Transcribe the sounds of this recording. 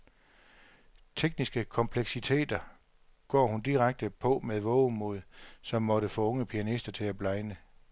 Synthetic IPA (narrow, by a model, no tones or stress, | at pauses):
t͡sʰeɡ̥̚nisɡ̥əkʰɒ̽mpʰleɡ̥sit͡sʰe̝̰ːd̥ɐ | ɡ̥ɒ̰ːhund̥iʁaɡ̥̚d̥əpʰɒ̽meðˠʋɔʊmo̝ðˠsɒ̽mːɒ̽ɾ̥əfɔ̽ːɔ̽ŋəpʰiænisd̥ɐt͡sʰe̝læb̥lɑ̈ɪnə